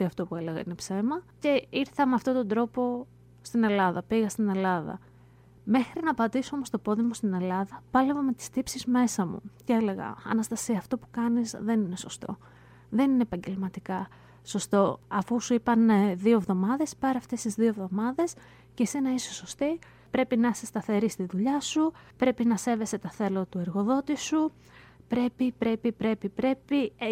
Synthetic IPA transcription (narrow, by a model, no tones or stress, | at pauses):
t̪iɐft̪o̞pue̞le̞ɣɐ̰inepse̞mɐce̞iɾθɐmeɐft̪o̞t̪o̞nd̪ɾo̞po̞ | st̪ine̞lɐðɐ̰piɣɐst̪ine̞lɐðɐ̰ | me̞xɾinɐpɐt̪isoomo̞st̪o̞po̞ðimost̪ine̞lɐðɐpɐlevome̞t̪i̥st̪ipsizme̞sɐmṵcee̞le̞ɣɐ̰ɐ̰nɐst̪ɐsiɐːft̪o̞pu̥kɐnizðe̞nine̞so̞st̪o̞ | ðe̞nineːpɐɲɟe̞lmɐt̪ikɐ | so̞st̪o̞ɐfusuipɐneðio̞evðo̞mɐðe̞spɐɾɐft̪e̞st̪izðio̞evðo̞mɐðe̞s | cese̞nɐisoso̞st̪i | pɾe̞pinɐse̞st̪ɐθe̞ɾist̪iðuʎɐsupɾe̞pinɐse̞ve̞se̞t̪ɐθe̞lot̪ue̞ɾɣo̞ðo̞t̪isu | pɾe̞pipɾe̞pipɾe̞pipɾe̞pi